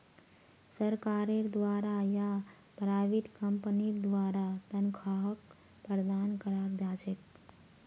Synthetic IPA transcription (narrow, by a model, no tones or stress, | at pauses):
səɾkaːɾeɾd̪ʋaːɾaja | pɾaʋiʈkəmpniɾd̪ʋaːɾat̪ənkʰaːɦək | pɾəd̪aːnkəɾakd͡ʒaːt͡ʃet̪̚